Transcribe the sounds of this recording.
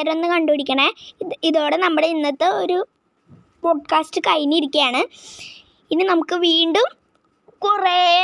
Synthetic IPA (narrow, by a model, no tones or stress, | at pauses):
ɾɐo̞nːɨkɐɳɖoɽikʲːɐɳeiðo̞ːɽe̞nɐmːuɽeinːɐt̪ːeoɾu | po̞ːɖ̚kaːsʈɨkɐjniiɾikʲːijaːɳɨ | inːɨnɐmukːɨʋiːɳɖum | kure